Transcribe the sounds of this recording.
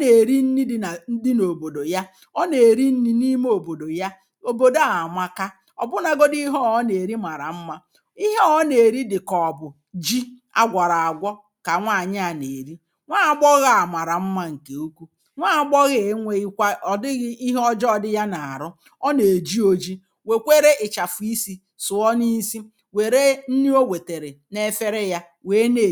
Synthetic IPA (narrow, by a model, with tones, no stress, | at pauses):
ɔ˦ne˨ɾi˦n̩˦ni˦dɪ˦na˨n̩˦dɪ˦no˨bo˨do˨ja˦ | ɔ˦ne˨ɾi˦n̩˦ni˦ni˦m˦o˨bo˨do˨ja˦ | o˨bo˨do˦a˨ma˦ka˦ | ɔ̰˨bʊ˦na˨ɡo˦di˦ɦɔ˦˨ɔ˦ne˨ɾi˦ma˨ɾa˨m̩˦ma˦ | i˦ɦe˦ɔ˦ne˨ɾi˦dɪ˨kɔ˨bʊ˨ | d͡ʒi˦ | a̰˦ɡʷa˨ɾa˨a˨ɡʷɔ˦ | ka˨ŋʷa˦˨a˨ɲɪ˦a˨ne˨ɾi˦ | ŋʷaː˦a˨ɡ͡bɔ˦ɣa˨a˨ma˨ɾa˨m̩˦ma˦ŋ̩˨ke˨o˦kʷu˦ | ŋʷa˦a˨ɡ͡bɔ˦ɣe˨˦ŋʷe˦i˦kʷa˦ɔ˨dɪ˦ɣɪ˦i˦ɦɔ˦d͡ʒɔ˦ɔ˦dɪ˦ja˦na˨a˨ɾʊ˦ | ɔ˦ne˨d͡ʒi˦o˦d͡ʒi˦ | we˨kʷe˦ɾe˦ʔɪ˨t͡ʃa˨fʊ˨i˦si˦ | sʊ˨ɔ˦ni˦si˦ | we˨ɾe˦n̩˦ni˦o˦ɡʷe˨te˨ɾe˨ne˦fe˦ɾe˦ja˦ | weː˨˦ne˨